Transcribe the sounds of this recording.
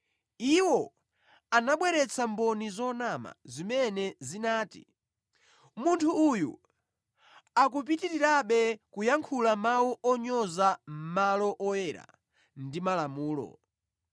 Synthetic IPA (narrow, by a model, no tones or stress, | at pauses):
iwɔ | anaɓwɛɾɛt͡sʰambɔnizɔnama̰zimɛnɛzinaːtḭ | muntʰuːjṵ | ak̬up̬itiɾiɾaɓɛkujaŋkʰulamawuʔɔɲɔzam̩malɔʔɔjɛɾa̰ | ndimalamuːlɔ̰